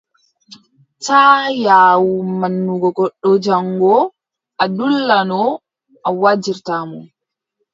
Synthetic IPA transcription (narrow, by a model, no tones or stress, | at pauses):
taːjaːwumanːuɡɔɡɔɗːɔd͡ʒaŋɡɔ | ʔadulːanɔ | ʔawad͡ʒiɾtamɔn